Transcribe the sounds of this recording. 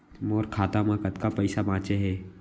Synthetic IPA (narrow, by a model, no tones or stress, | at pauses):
moːɾkʰaːt̪amãkət̪kapɛɪsabãːt͡ʃeɦɛː